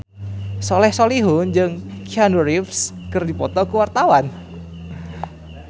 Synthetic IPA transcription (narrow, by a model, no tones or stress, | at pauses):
sɔlɛhsoliɦund͡ʒɨŋkianuɾifskɨrdipɔt̪ɔkuwart̪awan